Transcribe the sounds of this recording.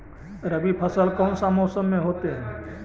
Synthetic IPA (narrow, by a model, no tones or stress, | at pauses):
ɾəbipʰəsəlkɔːmsaːmoːsənːẽɦoːt̪eɦɛ̃ː